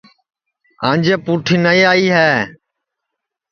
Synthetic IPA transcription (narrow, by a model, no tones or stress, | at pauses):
ã̰ːɲʲd͡ʒeːpuːʈʰiːnəiːaːiːɦɛː